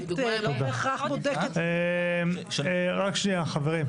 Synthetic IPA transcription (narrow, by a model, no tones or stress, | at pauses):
od̪aeχaχbod̪ektem | eʁakʃniaχaveʁim